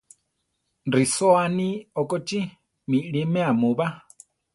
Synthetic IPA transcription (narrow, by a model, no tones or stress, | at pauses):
ndisɔaniɔkʼɔt͡ʃʼi | miɺimɛamuβa